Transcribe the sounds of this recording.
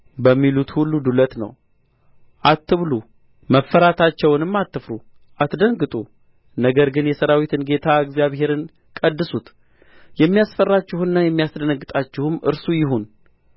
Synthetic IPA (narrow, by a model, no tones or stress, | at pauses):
bəmːilut̪hulːud̪ulət̪nə̰w | ʔat̪ʰːɨβlu | məfːəɾat̪ʰat͡ʃːɛwnɨmːat̪ːɨfɾu | ʔat̪d̪əŋɡɨt̪ʼu | nəɡəɾɡɨnjɛsəɾawit̪ʰɨnɡe̞t̪ʰaɨɡzijaβɦe̞ɾɨn | kʼəd̪ːɨsut̪ | jɛmːijasfərːat͡ʃːɪhɨnːajɛmːijasd̪ənəɡːɨt̪ʼat͡ʃːɪhɨmʔɨ̰ɾsujɪɦun